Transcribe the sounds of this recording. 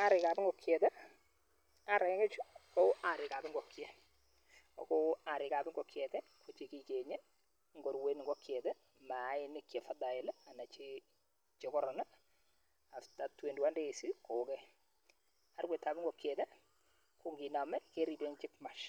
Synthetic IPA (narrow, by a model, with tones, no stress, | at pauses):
aɾɪ˨ka˨bɪ˦ŋɡɔ˨kʰjɛtɛ˦ | a˦ɾɛ˨˦kɛ˦t͡ʃu˦kɔa˨ɾɪ˨ka˨bɪ˦ŋɡɔ˨kjɛ | ɔ˨kɔa˨ɾɪ˨ka˨bɪ˦ŋɡɔ˨kjɛ˨tɛ˦ko˨t͡ʃi˨ki˨t͡ʃeɲe˦ | ŋɡɔ˨ɾwe˦n˨ŋɡɔ˦kʰjɛ˨tɛ˦ | ma˨˦ɪ˦nɪ˨kjɛ˨fada˨ɛ˨lɛ˦a˨na˨t͡ʃe | t͡ʃe˨kɔ˦ɾɔ˨nɛ˦ | a˨fta˨twe˨ndwa˦nde˦˨si˦kʰo˨kɛ | a˨rwɛ˨tːa˨bɪ˦ŋɡɔ˨kjɛ˨tɛ˦ | ku˦ŋɡi˨na˨mɛ˦ke˦ɾi˨bɛ˦ŋt͡ʃɪ˦k̚ma˨ʃ